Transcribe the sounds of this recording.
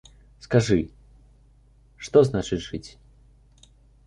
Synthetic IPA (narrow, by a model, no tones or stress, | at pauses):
skaʐɨ | ʂt̪ɔznat͡ʂɨt͡sʲʐ̥ɨt͡sʲ